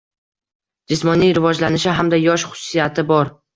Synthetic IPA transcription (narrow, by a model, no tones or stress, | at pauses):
d͡ʒɪsmɒnijɾɪvɒd͡ʒlanɪʃɪɦamd̪ajɒʃχʊ̥sːijat̪ʰɪbɒɾ